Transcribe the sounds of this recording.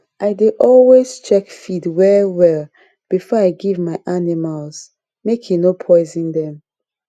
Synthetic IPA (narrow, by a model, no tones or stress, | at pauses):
ʔaɪdeʔɔlwez̥t͡ʃɛkfidwɛɹwɛlˠ | b̥ifɔaɪɡivmaɪʔanimalz | mekʰĩnopʰɔɪzĩndɛ̃m